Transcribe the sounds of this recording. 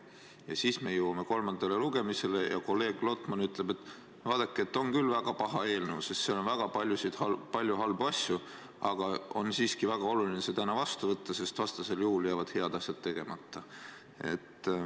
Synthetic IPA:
jɑsiːsme̞juwɑme̞ko̞lmɑnd̪̥ɑleluɡe̞mise̞lejɑ̰ko̞lːe̞ːɡ̥lo̞t̪ˑmɑnyt̪ˑle̞be̞t̪ːˑ | vɑːd̪̥ɑkːˑeet̪ːˑo̞ŋkylvæɡ̥ɑpɑɦɑe̞ːlnewse̞st̪seːo̞nvæɡ̥ɑpɑlʲjusid̪̥hɑpɑlʲjuɦɑlbuɑsʲju | ɑɡ̥ɑo̞̰nsiːskivæɡ̥ɑo̞lulineseːt̪ænɑvɑst̪uvɤt̪ːɑse̞st̪vɑst̪ɑse̞ljuhuljæːvɑd̪̥he̞ɑd̪̥ɑsʲjɑd̪̥̚t̪ːe̞ɡ̥e̞mɑt̪ːɑ | e̞̰t̪ːˑ

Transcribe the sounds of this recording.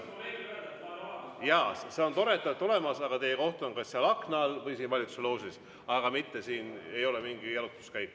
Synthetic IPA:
jɑse̞o̞nt̪o̞ɾe̞t̪ːˑɑlt̪ːˑo̞le̞mɑsɑɡ̥ɑt̪e̞jeko̞ht̪onkɑsːeɑlɑkˑnɑːlvɤjsiːnvɑlit̪u̥selowsis | ɑɡ̥ɑmit̪ːe̞siːne̞jo̞le̞miŋɡ̥ijɑlut̪ːˑu̥skæjkːˑ

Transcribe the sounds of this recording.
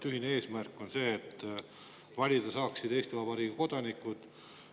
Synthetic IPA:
t̪yɦinee̞ːsmærkːˑo̞nse̞ːt̪ː | vɑlʲid̪̥ɑsɑːksid̪̥e̞ːst̪ivɑb̥ɑɾiːɡuko̞d̪̥ɑnikːˑud̪̥

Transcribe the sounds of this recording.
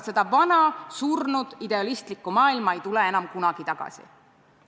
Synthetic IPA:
se̞d̪̥ɑvɑnɑsurnud̪̥id̪e̞ɑlist̪likːˑumɑːilmɑe̞jt̪uleenɑmkunɑɡ̥it̪ɑɡ̥ɑ̰sḭ

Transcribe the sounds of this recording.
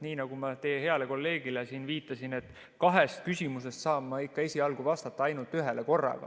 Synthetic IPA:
niːnɑɡumɑt̪e̞ːhe̞ɑle̞ko̞lːe̞ːɡ̥ile̞siːnviːt̪ːˑɑsine̞t̪ː | kɑɦest̪̚kysʲimuse̞st̪sɑːbːɑikːɑe̞sʲiɑlɡ̥uvɑst̪ɑt̪ːˑɑɑjnult̪ːyɦe̞leko̞rːɑ̰ɡ̥ɑ̰

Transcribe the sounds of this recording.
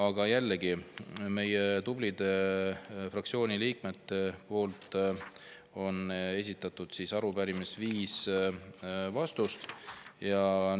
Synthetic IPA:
ɑɡ̥ɑjælːeɡ̥ime̞jet̪ublid̪̥e̞ | frɑkt̪sio̞ːniliːkmet̪ːepo̞ːlt̪ˑ | o̞ne̞s̬ʲit̪ːˑɑt̪ːˑud̪̥sisɑɾubæɾimisviːs | vɑst̪ust̪jɑ

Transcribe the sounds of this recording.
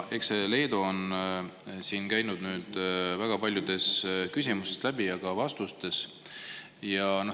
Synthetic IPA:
ʔe̞ksele̞ːd̪oon | siːnkæjnud̪̥nyːd̪̥væɡ̥ɑpɑlʲjud̪̥e̞skysʲimuseslæb̥ijɑɡɑvɑst̪ust̪e̞s | jɑno

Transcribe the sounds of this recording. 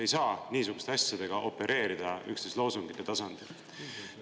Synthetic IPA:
e̞jsɑːniːsuɡ̥u̥st̪e̞ɑsʲjɑd̪̥e̞ɡ̥ɑʔo̞pːe̞ɾʔe̞ːɾid̪̥ɑy̰kst̪eslo̞ːsuŋɡit̪ːˑe̞t̪ɑsɑnd̪̥il

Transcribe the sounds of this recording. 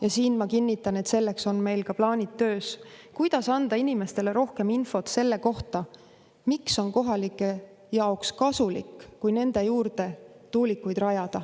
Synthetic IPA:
jɑsiːnmɑkinːit̪ːˑɑne̞t̪se̞lːe̞kso̞nme̞jlkɑplɑːnʲit̪ːø̞ːskujd̪̥ɑsɑnd̪̥ɑinime̞st̪e̞le̞ɾo̞hke̞minfo̞t̪se̞lːe̞ko̞ht̪ɑ | mikso̞nko̞ɦɑlikːˑe̞ | jɑokskɑsulikːujne̞nd̪̥e̞juːɾd̪e̞t̪uːlikːˑujd̪rɑjɑd̪̥ɑ

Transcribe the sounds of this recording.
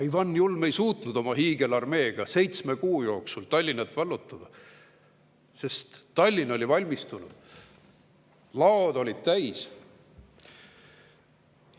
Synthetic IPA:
ɑjvɑnːjulme̞jsuːt̪nud̪o̞mɑɦiːɡ̥e̞lɑrme̞ːɡ̥ɑse̞jt̪sme̞kuːjo̞ːksult̪ɑlʲːinɑt̪vɑlːut̪ːˑɑd̪̥ɑ | se̞st̪t̪ːɑlʲːino̞lʲivɑlʲmist̪unud̪̥ | lɑod̪o̞lʲid̪̥̚t̪æjs

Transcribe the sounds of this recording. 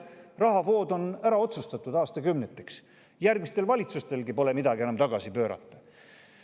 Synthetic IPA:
rɑɦɑvo̞ːd̪o̞næɾɑo̞t̪sust̪ɑt̪ːˑud̪ɑːst̪ɑkymnet̪ːˑiks | jærɡ̥̚mist̪e̞lvɑlʲit̪sust̪e̞lɡipo̞le̞mid̪ɑɡie̞nɑmt̪ɑɡ̥ɑsipøːɾɑ̰t̪ːˑɑ̥

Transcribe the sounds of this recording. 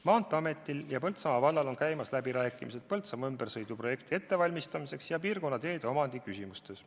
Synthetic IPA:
mɑːnt̪ːˑɑme̞t̪ˑːiljɑpɤlt̪sɑmɑvɑlːɑlo̞nkæjmɑslæbiɾæːkːˑimise̞t̪̚pɤlt̪sɑmɑymbersɤjd̪upro̞je̞kt̪ie̞t̪ːe̞vɑlʲmist̪ɑmise̞ksjɑpiːrko̞nːɑt̪e̞ːd̪eo̞mɑnd̪̥ikysʲimust̪e̞s

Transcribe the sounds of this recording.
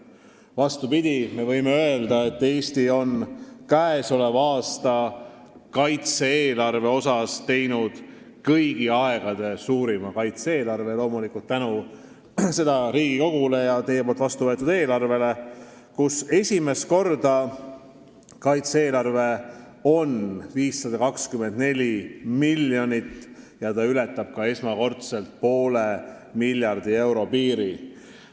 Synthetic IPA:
vɑst̪upid̪̥ʲime̞vɤjmeøeld̪̥ɑe̞t̪ːe̞ːst̪io̞nkæeso̞levɑːst̪ɑ | kɑjt̪seeːlɑrve̞o̞sɑst̪e̞jnud̪̥ | kɤjɡ̥iɑeɡ̥ɑd̪̥e̞suːɾimɑkɑjt̪see̞ːlɑrve̞lo̞ːmulikˑult̪ːænu | se̞d̪ɑɾiːɡ̥iko̞ɡ̥ule̞jɑt̪e̞jepolt̪vɑst̪uvɤet̪ːˑud̪e̞ːlɑrve̞le̞ | kuse̞sʲime̞st̪̚ko̞rd̪̥ɑ | kɑjt̪seːlɑrve̞ | o̞nviːsːɑd̪ɑkɑkskymend̪ne̞lʲimilʲjonit̪ː | jɑt̪ɑylɛt̪ːˑɑb̥̚kɑe̞smɑko̞rt̪se̞lt̪̚po̞ːle | milʲjɑrd̪̥ie̞wɾo̞piːɾi

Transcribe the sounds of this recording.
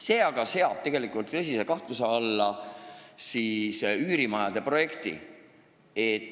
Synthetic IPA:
se̞ːɑɡ̥ɑse̞ɑb̥̚t̪e̞ɡ̥e̞likːˑult̪ːɤs̬ise̞kɑht̪luseɑlːɑ | siːsyːɾimɑjɑd̪e̞pro̞je̞kt̪ḭ | et̪ː

